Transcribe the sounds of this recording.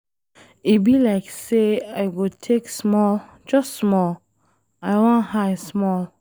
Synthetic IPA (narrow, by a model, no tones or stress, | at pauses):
ibilaɪkseajɡotʰeksmɔl | d͡ʒʌstsmɔl | ajwɔ̃nhajsmɔl